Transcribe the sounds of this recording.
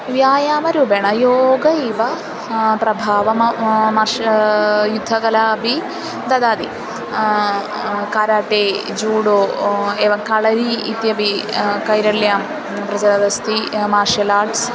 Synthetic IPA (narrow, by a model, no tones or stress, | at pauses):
ʋjaːjaːmɐɾuːbeɳɐjoːɡɐiʋɐ | pɾɐbʱaːʋɐmmɐɾʂɐjud̪ʱːɐkɐlaːɐbʱi | d̪ɐd̪aːd̪i | kaːɾaːʈeː | d͡ʒuːɽoːeːʋɐŋkɐɭɐɾiːt̪jɐbikɐjɾɐljaːm | pɾɐd͡ʒɐɾɐd̪ɐst̪ʰimaːɾʂɐlaːʈs